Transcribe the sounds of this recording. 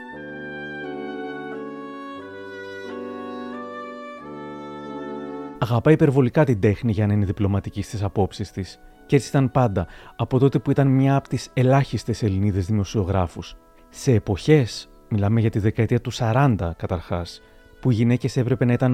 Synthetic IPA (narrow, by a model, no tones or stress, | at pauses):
ɐɣɐpɐipe̞ɾvo̞likɐt̪ind̪e̞xniʝɐnɐineðiplo̞mɐt̪icist̪isɐpo̞psist̪is | ce̞t͡siit̪ɐnpɐnd̪ɐːpo̞t̪o̞t̪epuit̪ɐnmɲɐːpo̥t̪ise̞lɐçist̪ese̞liniðe̞zðimo̞sio̞ɣɾɐfus | se̞ːpo̞çe̞s | milɐme̞ʝɐt̪iðe̞kɐet̪iɐt̪usɐɾɐnd̪ɐkɐt̪ɐɾxɐs | puiʝine̞ce̞se̞pɾe̞pe̞nɐit̪ɐn